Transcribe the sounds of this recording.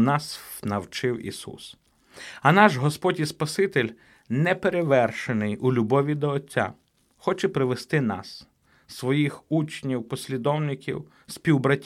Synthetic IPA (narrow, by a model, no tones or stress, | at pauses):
nɑsnɐwt͡ʃɪwḭsṵs | ɐnɑʒɦɔspɔdʲispɐsɪt̪elʲ | nɛpeɾeʋɛrʃenɪjulʲubɔʋʲid̪ɔːtʲːa̰ | xɔt͡ʃɛpɾɪʋest̪ɪnɑ̰s | sːʋɔjixut͡ʃnʲiwpɔsʲlʲid̪ɔwnɪkʲḭw | sʲpʲiwbɾɐtʲ